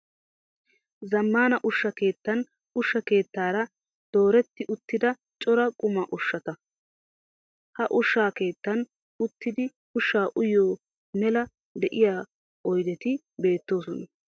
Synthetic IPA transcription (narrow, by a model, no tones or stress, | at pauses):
zɐmːaːnɐʔʊʃːɐke̞ːt̪ːɐn | ʊʃːɐke̞ːt̪ːaːɾɐ | d̪̥oːɾɛt̪ːɪʔʊt̪ːɪd̪ɐ | t͡ʃʼɔɾɐkʼʊmɐʔʊʃːɐt̪ɐ | hɐʔʊʃːaːke̞ːt̪ːɐn | ʊt̪ːɪd̪ɪ | ʊʃːaːʔʊjoː | mɛlɐ | d̪ɛʔɪjaː | ɔjd̪ɛt̪ɪ | be̞ːt̪ːo̞ːsɔnɐ